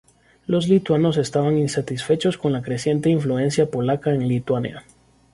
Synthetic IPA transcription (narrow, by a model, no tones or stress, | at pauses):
lo̞zlit̪wano̞se̞st̪aβaŋinsat̪isfe̞t͡ʃo̞sko̞nlakɾe̞sje̞nt̪e̞iɱflue̞nsjapo̞lakaenŋlit̪wanja̰